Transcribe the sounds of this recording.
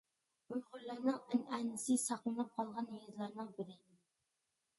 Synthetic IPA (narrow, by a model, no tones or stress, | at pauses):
ujχʊɾlːɑɾnɨŋɪnænɪsɪsɑqlˠɨnɨp̚qʰɑlˠʁɑnjezlˠɑɾnɨŋbɪɾɪ